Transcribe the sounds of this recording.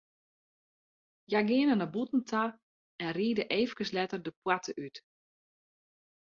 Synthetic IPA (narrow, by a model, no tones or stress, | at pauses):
jaɡɪənənabutn̩tʰa | ɛnriːdəʔeːvəkəslɛtərdəpwatʰəʔyt